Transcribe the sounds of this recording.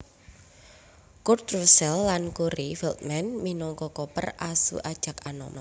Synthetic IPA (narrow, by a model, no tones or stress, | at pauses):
kurt̪rusɛlːankuɾifilt̪̚mɛnminɔŋkɔkɔpərasṵʔad̥ʒ̥a̤kanɔ̰ma